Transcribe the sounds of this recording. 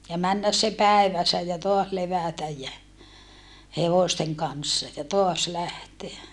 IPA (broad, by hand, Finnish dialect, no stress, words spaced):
jɑ mænːæs se pæeʋæsːæ jɑ toɑs leʋæˑtæj jæ heʋoˑsteŋ kɑnsːɑ jɑ toɑs læhteæ